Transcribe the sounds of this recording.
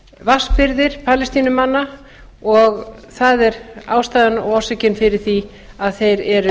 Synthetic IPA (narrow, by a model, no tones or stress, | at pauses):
vaspɪɾðɪɾ̥pʰaːlɪst̪iːnʏmanːa | ɔɣθaðɛɾa̰ːwst̪aːðɪnɔsɪcɪnfɪɾɪɾ̥θi | aðθejɾɛɾʏ